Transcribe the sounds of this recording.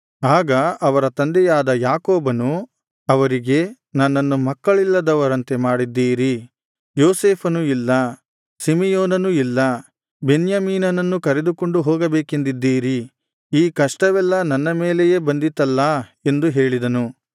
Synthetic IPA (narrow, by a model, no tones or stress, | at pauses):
aːɡɐʔɐʋɐɾɐt̪ɐnd̪ɛjaːd̪ɐjaːkoːbɐnu | ɐʋɐɾiɡe̞ | nɐnːɐnːumɐkːɐɭilːɐd̪ɐʋɐɾɐnt̪e̞maːɽid̪ːiːɾi | joːseːpʰɐnuilːɐ | simijoːnɐnuilːɐ | be̞njamiːnɐnɐnːukɐɾe̞d̪uko̞ɳɖuɦɔːɡɐbeːkend̪id̪ːiːɾi | iːkɐʂʈɐʋɛlːɐnɐnːɐmeːleje̞ːbɐnd̪it̪ːɐlːɐe̞nd̪uɦe̞ːɭid̪ɐnu